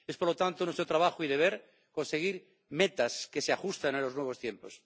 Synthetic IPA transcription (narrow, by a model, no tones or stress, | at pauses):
espoɾlot̪ant̪onwe̞st̪ɾot̪ɾaβaxoiðe̞β̞e̞ɾ | ko̞nse̞ɣ̞iɾ | met̪aske̞seaxust̪anelo̞znwe̞β̞o̞st̪je̞mpos